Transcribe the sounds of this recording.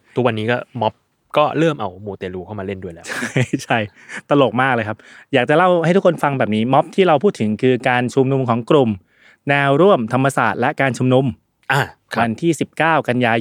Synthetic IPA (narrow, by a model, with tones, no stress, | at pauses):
t̪ʰu˦˥k̚wa˧nːiː˦˥kɔː˥˩mɔ˦˥p̚ | kɔː˥˩ɾɤː˥˩mʔa˧wmuː˨˩t̪eː˧luː˧kʰa˥˩wmaː˧le˥˩ndu˥˩jlɛː˦t͡ɕʰa˥˩t͡ɕʰa˥˩j | t̪a˧lo˨˩t̪̚maː˥˩k̚lɤː˧jkʰa˦˥p̚jaː˨˩k̚t͡ɕa˨˩la˥˩wha˥˩t̪ʰu˥kʰːnfa˧ŋbɛː˨˩p̚niː˦˥mɔ˦˥p̚t̪ʰiː˥˩ɾa˧wpʰuː˥˩t̪ʰːɯ˩˦ŋkʰɯː˧kaː˧nt͡ɕʰu˧mnu˧mkʰɔː˩˦ŋkɾu˧m | nɛː˧wɾu˥˩əmt̪ʰa˧mːa˧saː˨˩t̪̚lɛ˦˥ʔkaː˧nt͡ɕʰu˧mnu˧m | ʔaː˧˩kʰwa˧nt̪ʰiː˥˩si˨˩p̚kaː˥˩wka˧njaː˧